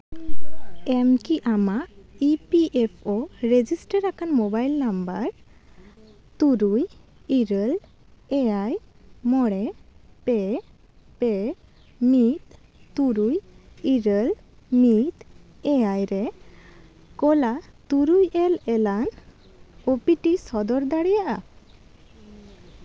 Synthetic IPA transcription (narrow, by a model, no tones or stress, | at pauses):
ɛmkiʔamaipiʔepʰoɾed͡ʒisʈəɾːakanmɔbajlnambaɾ | t̪uɾujiɾəl | ɛajmɔɽɛpɛ | pɛ | mit̪ː | uɾujiɾəl | mit̪ | ɛajɾɛ | kɔlat̪uɾujɛlɛlan | opiʈisɔd̪ɔɾd̪aɽɛjaʔa